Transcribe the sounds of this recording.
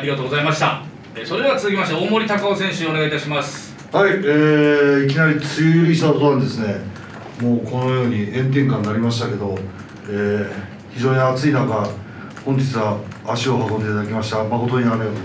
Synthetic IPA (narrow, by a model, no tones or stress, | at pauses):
aɾʲiɡat̪oːɡozaimaɕi̥t̪a | esoɾe̞d̪eat͡sɨzɨkʲimaɕ̬t̪aoːmo̞ɾʲit̪akaosẽɕɨeoeait̪aɕimasɨ̥ | haieːikʲinaɾʲit͡sɨjɯɾʲiɕi̥t̪akot̪onãnd̪e̞sɨne̞ | moːkono̞jo̞ːɲ̟iẽ̞nt̪̬ẽ̞ŋkãnːaɾʲimaɕ̬i̥t̪ake̞d̪o̞ | eː | çiʑo̞ːɲ̟iat͡sɨinaŋka | hõ̞ɲ̟d͡ʑit͡sɨβaːɕio̞hakõnd̪eːt̪ad̪akʲimaɕi̥t̪amako̞t̪o̞ɲiname